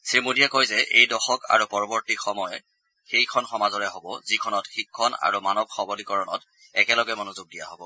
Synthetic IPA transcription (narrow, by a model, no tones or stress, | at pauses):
simudijakojzɛʔejdɔxɔka̰ɹupɔɹɔbɔɹtixɔmɔjɛ | xejkʰɔnxɔmazɔɹɛɦobɔzikʰɔnɔtxikʰːɔna̰ɹumanɔb̚xɔbɔlikɔɹɔnɔ̰t | ɛkɛlɔɡɛmɔnuzuɡ̚dija̰ɦobɔ